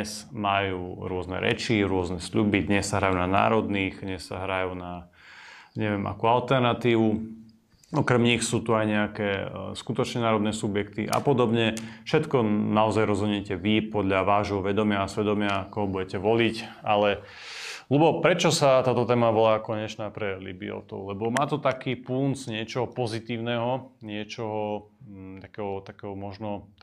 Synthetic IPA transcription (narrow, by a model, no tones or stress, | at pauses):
smajuːɾʊɔznɛ̰ɾɛ̰t͡ʃiɾʊɔznɛsʎubid̪ɲɛsːaɦɾajuːnana̰ːɾɔd̪niɣɲɛsːa̰ɦɾajuːna | ɲɛʋɪɛmʔa̰kualt̪ɛɾnat̪iːʋu | ɔkɾɛmɲixsuːt̪uajɲɛakɛːskut̪ɔt͡ʃɲɛnaːɾɔd̪nɛsubjɛkt̪iʔa̰pɔd̪ɔbɲɛfʃɛt̪kɔnaɔzajɾɔzɦuɲɛcɛʋipɔd̪ʎaʋaːʒɦɔʋɛd̪ɔmɪaːsʋɛd̪ɔmɪakɔɦɔbuɟɛcɛʋɔlicalɛ | lubɔpɾɛt͡ʃɔsat̪aːt̪ɔt̪ɛːmaʋɔlaːkɔɲɛt͡ʃnaːpɾɛlḭbiɔ̰t̪ɔ̰ʊlɛbɔmaːt̪ɔt̪akiːpunt͡sɲɪɛt͡ʃɔɦɔpɔzit̪iːʊnɛɦɔɲɪɛt͡ʃɔɦɔ | t̪akɛːɦɔt̪akɛːɦɔmɔʒnɔ